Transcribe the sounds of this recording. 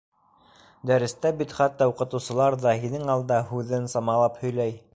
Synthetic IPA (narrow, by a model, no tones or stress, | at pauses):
d̪æɾɘ̆st̪æbit̪χæt̪ːɑuqɤ̆t̪ɤ̆wsɤ̆lˠɑɾðɑhinɘŋɑlˠd̪ɑhʉðɘnsɑmɑlˠɑphɵ̆jlæj